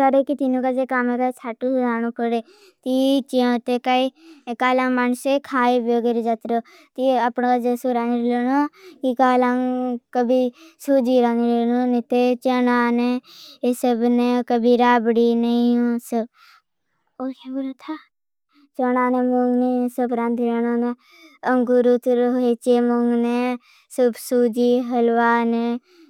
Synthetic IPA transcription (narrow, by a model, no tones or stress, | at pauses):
aɾekit̪inũːkad͡ʒekaːmẽkat͡ʃʰaːʈuaːnũːpəɾeː | t̪it͡ʃiõːt̪ekaikaːlãːŋmansekʰaːeboːɡeɾd͡ʒat̪ɾoː | t̪iəpnːkad͡ʒesuɾaːniɾelonokikaːlaŋkəbʱisud͡ʒiːɾaːniɾenoːnit̪et͡ʃənaːneesəbnekəbʱiɾaːbɽiːnəĩoːsəb | okebuɾat̪ʰa | t͡ʃənaːneːmoŋɡnesəbɾãːnd̪iɾeːnoːne | əŋɡuɾut̪ɾoet͡ʃemoŋɡneː | səbsuːd͡ʒiːɦəlʋaːne